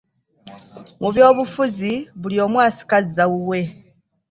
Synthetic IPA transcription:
mʔuβjo̞ːβufuziβulio̞ːmwaːsi̥kazizawuwe̞

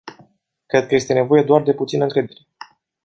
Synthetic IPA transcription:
kɾe̞d̪̚kəje̞st̪e̞ne̞vo̞je̞d̪oard̪e̞put̪sinəɨŋkɾe̞d̪e̞ɾe

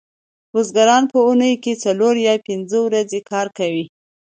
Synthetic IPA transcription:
ɾozɡaɾɑnpəunəjket͡saloɾjɑpɪnzəwɾazekʰɑɾkawi

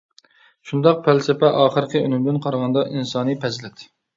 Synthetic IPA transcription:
ʃund̪ɑq̚pʰælsɪpɛʔɑːχəɾɨqʰəynɪmd̪ɪnqʰɑɾʁɑnd̪ɑʔinsɑːnɨpʰɛzlɛt̪ʰɪ

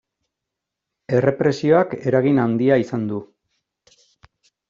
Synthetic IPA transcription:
e̞re̞pɾe̞sio̞ake̞ɾaɣ̞inand̪iaisand̪u

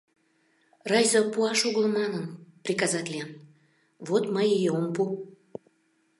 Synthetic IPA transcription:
rɑjzəpuɑʃuɣlˠəmɑnənprʲikɑzɑt̪ʲlʲien | βot̪məjejeompu

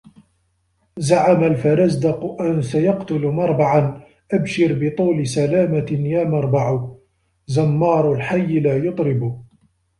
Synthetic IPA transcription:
zaʕamalfaɾˤɑzd̪aqʊʔansajɑqt̪ʊlmɑɾˤbaʕan | ʔabʃɪɾbɪt̪ˤuːlɪsalaːmajaːmɑɾˤbɑʕ | zamːɑːɾˤʊlħajːlaːjʊt̪ˤɾɪbʊ

